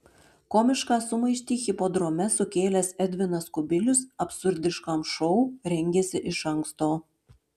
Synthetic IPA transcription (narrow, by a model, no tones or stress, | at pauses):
komʲɪʃkɑːsʊmɐɪʃʲt̪ʲiːxʲɪpod̪ɾomʲɛsʊkʲeːlʲɛsɛd̪ʲʋʲɪnɐskʊbʲɪlʲʊsɐpsʊɾʲd̪ʲɪʃkɐmʃɔʊɾʲɛŋʲɡʲesʲɪʔɪʃɐŋkst̪oː